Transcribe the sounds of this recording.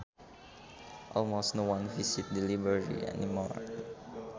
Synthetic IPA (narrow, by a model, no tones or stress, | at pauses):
ʔɔlmostnowãnvisit̪̚dilibəɹḭɛ̰nimɔ̰ɹ